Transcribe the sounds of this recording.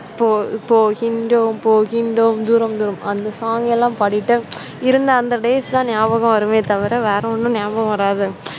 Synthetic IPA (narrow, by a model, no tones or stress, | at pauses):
poːpːoːɣɪɳɖompoːɣɪɳɖomd̪uːɾɐmd̪uːɾɐmɐnd̪ɐsaːŋɡɛlːãːpɐɽɪʈːɯ | ɪɾɯnd̪ɐːnd̪ɐɖeːst̪ãːnɪjaːʋɐɣɐ̃mʋɐɾɯmeːt̪ɐʋɪɾɐʋeːɾɐ̃ɔnːɯ̃nɪjaːʋɐɣɐ̃ʋɐɾaːðɯ